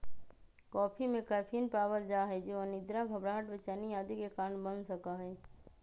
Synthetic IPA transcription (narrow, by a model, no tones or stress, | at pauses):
kɔːpʰimẽkaːpʰiənpaːbəld͡ʒaːɦɛd͡ʒoənɪd̪ɾaɡʱɐbɾaɦəʈʋɪt͡ʃaːnijaːd̪ikekaːɾəɳbənsɐkaɦɛː